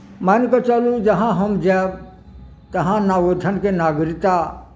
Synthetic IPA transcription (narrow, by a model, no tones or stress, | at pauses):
mankot͡ʃɐlud͡ʒɐɦãɦɐmd͡ʒɛːb | t̪ɐɦãnaːʋod̪ʰʱənkenaːɡɾɪt̪a